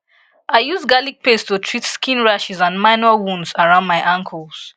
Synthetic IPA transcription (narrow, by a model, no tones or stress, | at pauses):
ʔaɪjusɡalik̚pestutʰɹitskĩnɹaʃizãnmaɪnɔwũndsaɹãʊ̃ndmaɪʔãŋkʰɔls